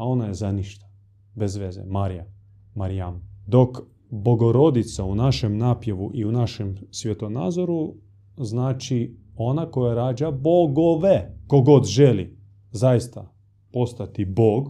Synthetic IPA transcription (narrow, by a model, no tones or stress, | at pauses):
ao̞najezaniʃt̪ḁ | bezʋe̞zḛmaɾija | maɾijamd̪o̞k | bo̞ɡo̞ɾo̞d̪it̪saunaʃemnaːpjeʋuʔiunaʃemsʋʲjet̪ona̰ːzoɾu | znaːt͡ʃi | o̞nako̞jaɾaːd͡ʒaboɡoʋeko̞ɡo̞d̪ʒelḭ | zajist̪a | po̞st̪at̪iboːɡ